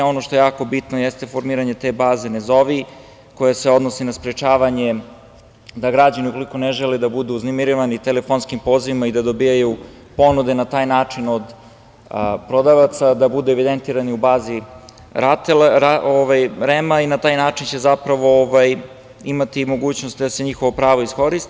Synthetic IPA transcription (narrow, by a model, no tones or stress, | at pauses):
o̞no̞ʃt̪o̞jejaːko̞bit̪nojest̪e̞fo̞ɾmiːɾaɲe̞t̪eːbaːze̞nezo̞ʋi | ko̞jaseo̞d̪nosinaspɾet͡ʃaːʋaɲe | d̪aɡɾad͡ʑaniuko̞liko̞neʒeled̪abud̪uːznemiɾiʋanit̪elefonskimpo̞ːziʋimaid̪ad̪o̞bijaju | po̞nud̪e̞nat̪aːjnaːt͡ʂino̞d̪ | pɾo̞d̪aʋat̪sad̪abud̪ueʋid̪ent̪iːɾaniubaːzi | ɾat̪elaoʋajɾemainat̪aːjnaːt͡ʂint͡ɕe̞zapɾaʋo̞oʋaj | imat̪imo̞ɡuːt͡ɕno̞st̪d̪ase̞ɲixo̞ʋo̞pɾaːʋo̞isko̞ɾist̪